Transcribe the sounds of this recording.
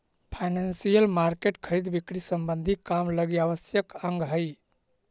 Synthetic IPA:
pʰaɪnansijəlmaɾkeʈkʰəɾid̪bikɾisəmbənd̪ʱikamləɡjaʋəsjəkə̃ŋɡɦəj

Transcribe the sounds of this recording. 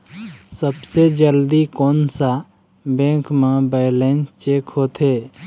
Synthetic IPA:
səbsed͡ʒəld̪ikoːnsa | bẽːŋkmãbɛɪlẽːnt͡ʃeːkɦoːt̪ʰɦeː

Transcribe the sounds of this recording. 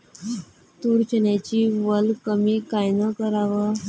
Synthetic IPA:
t̪uɾt͡ɕənjat͡ɕiːʋəlkəmiːkajnəkəɾaʋə

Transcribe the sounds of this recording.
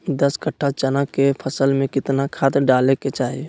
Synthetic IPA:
d̪əskəʈʰːat͡ʃənəkːepʰəsəlmẽkɪt̪nakʰaːt̪ɾɖaːleket͡ʃaːɦie

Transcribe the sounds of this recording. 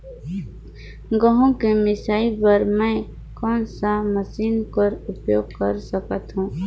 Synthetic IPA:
ɡəɦõkemɪsaːipəɾmɛ̃ | kɔːnsaməsiːnpəɾʊpjoːɡ̚kəɾsəkət̪ɦũː

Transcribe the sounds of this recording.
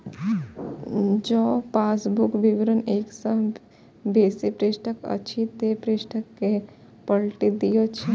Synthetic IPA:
d͡ʒoːpaːsbukbiʋɾəneːksəɦ | beːsipɾeːsʈʰəkɐ̰t͡ʃʰit̪epɾeːsʈʰəkːe | pɐɽʈid̪ijot͡ʃʰe

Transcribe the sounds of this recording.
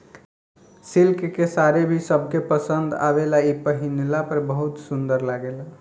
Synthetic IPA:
silkkesaɾebʱisəbʱkepəsənd̪a̰belaipəɦinlapəɾbəɦut̪sund̪əɾlaɡela

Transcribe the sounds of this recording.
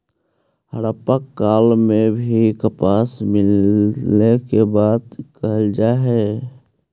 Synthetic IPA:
həɾəpəkːaːlmẽbʱikəpaːsmɪl | ekebaːd̪kəɦəld͡ʒaɦɛ

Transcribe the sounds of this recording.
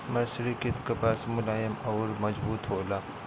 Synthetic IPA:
mɐɾsɾikit̪kɐpasmʊlaːjɐmɐːɾmɐd͡ʒbuːt̪ɦoːlaː

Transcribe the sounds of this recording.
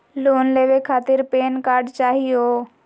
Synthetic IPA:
loːnleːʋekʰaːt̪ɪɾpeːnkaːɾɖt͡ʃaːɦioː

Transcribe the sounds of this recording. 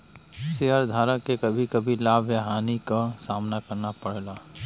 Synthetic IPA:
seːɦəɾd̪ʱaːɾəkːekɐbʱikɐbʱilaːbʱjaɦaːnikasaːmnakɐɾnapɐɽ̤laː

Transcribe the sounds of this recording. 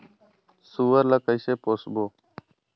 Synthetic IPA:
suːʋəɾləkəjseːpoːsboː

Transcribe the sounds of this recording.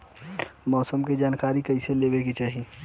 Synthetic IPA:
mɔːsəmked͡ʒaːnkaːɾikəɪseleːbeket͡ʃaːɦi

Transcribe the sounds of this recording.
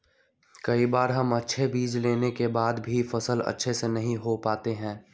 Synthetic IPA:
kɐibaːɾɦɐmɐtːʃʰebiːd͡ʒleːnekebaːd̪bʱifɐsəlɐ̰tːʃʰesenɐɦĩɦopaːt̪eɦɛ̃ː

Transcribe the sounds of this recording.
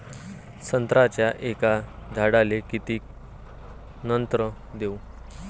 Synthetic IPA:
sənt̪ɾat͡ɕjaʔekad͡z̪ʱaɽalekit̪iːk̚ | nənt̪ɾə | d̪eu

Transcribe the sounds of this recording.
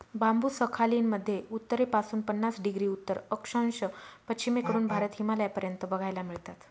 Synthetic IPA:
bambuːsəkʰaliːnməd̪ʱːjeut̪ːəɾepasuːnpənːasɖiɡɾiːut̪ːəɾəkʂə̃wnɕəpət͡ɕʰimekəɾuːnbʱaɾət̪ɦimaljapəɾjənt̪əbəɡʱajlamiɭt̪at̪

